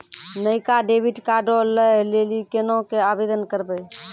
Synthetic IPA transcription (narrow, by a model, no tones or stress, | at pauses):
nəjkaɖebʱiʈkaɖoləlelikenõkeabed̪ənkəɾbə